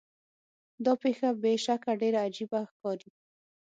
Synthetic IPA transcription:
d̪ɑpexabeʃakaɖeɾaːd͡ʒibaxkɑɾi

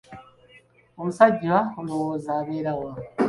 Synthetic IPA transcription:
omusaɟwahunowozaːβeɾawa

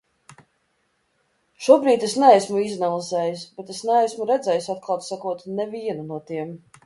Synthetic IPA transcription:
ʃuɔbɾiːt̪esnææsmuiznalˠizɛːjusbɛt̪esnɛæsʲmuɾɛd̪zɛjusat̪̚kʰˠalˠt̪sakuɔt̪nɛviɛnunuɔt̪iɛm

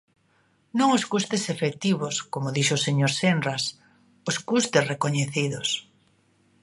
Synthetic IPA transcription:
nõŋoskust̪esefek̚t̪iβoskomoðiʃoseɲoɾsendras | oskust̪esrekoɲeθiðos

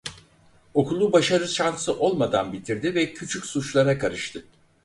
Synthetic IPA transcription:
o̞kʰulˠːubaʃaɾɯʃansɯʔo̞lˠmad̪a̰nbit̪ʰiɾd̪ivɛcʰyt͡ʃʰycsut͡ʃlˠaɾakʰaɾɯʃt̪ʰɯ

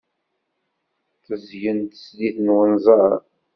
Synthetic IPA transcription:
θəzjənt̪ə̥sliθnwənzˤəɾˤ

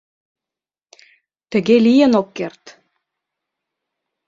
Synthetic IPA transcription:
t̪ə̆ɣelijə̆nokːert̪

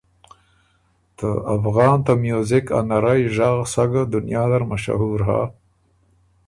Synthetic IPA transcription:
t̪əafɣɑːnt̪amjozɪka̰naɾajʒaɣsaɡad̪ʊnjɑːd̪aɾmaʃa̰ɦuːɾɦa̰

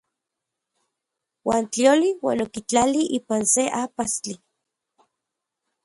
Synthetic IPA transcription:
waːnt͡ɬioliwa̰ːnokit͡ɬaliʔiːpanseʔapast͡ɬi

